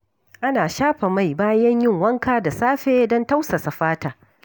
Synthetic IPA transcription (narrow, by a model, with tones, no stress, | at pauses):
ʔa˦naː˨ʃaː˦ɸa˨ma˦˨jbaː˦jɐ˦ɲjɪ˦˨ŋwɐ˦ŋkaː˦da˨saː˦ɸeː˦dɔ˦nta˦wsa˨sa˨ɸaː˦taː˨